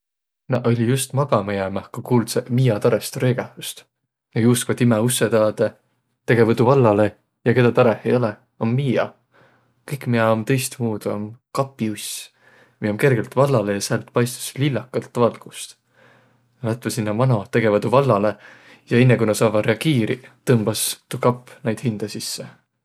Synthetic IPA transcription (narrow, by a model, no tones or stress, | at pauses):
nɑʔo̞lʲijust̪mɑɡ̥ɑmejæmæhkɑkuːlsemiːɑt̪ɑɾest̪oɾeːɡ̥ɑhust̪ | nɑjuːskvɑd̪̥imɛusːed̪ɑːd̪̥e | t̪e̞ɡe̞vɑd̪uvɑlːɑle̞ | jɑke̞d̪̥ɑt̪ɑɾehˑḛjo̞lɛ | omːiːɑ̰ | kɤjkmiɑomt̪ɤ̞jst̪muːd̪̥omkɑpˑːius | miomke̞rɡ̥e̞lt̪vɑlːɑle̞jɑseɑlt̪ˑpɑjst̪u̥slilːɑkːˑɑlt̪vɑlɡ̥ust̪ | nlɑt̪ːˑvɑsinːɑmɑno̞t̪e̞ɡe̞vɑt̪uvɑlːɑle̞ | jɑe̞nːekunɑsɑːvɑɾe̞ɑɡ̥iːɾit̪ɤmb̥ɑst̪ukɑpːnejd̪hind̪̥ɑsisːe